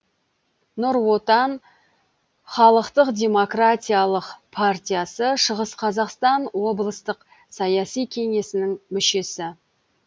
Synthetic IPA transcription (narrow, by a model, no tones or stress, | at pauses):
nʊɾwo̞t̪ɑn | χɑlˠəqt̪əqd̪ʲe̞mo̞kratʲijalˠəqpʰart̪ʲijasəʃəʁəsqʰɑzɑqst̪ɑnwo̞blˠəst̪əq | sɑjɑsijkʲʰe̞ŋe̞sɪnɪŋmʏʃe̞sɪ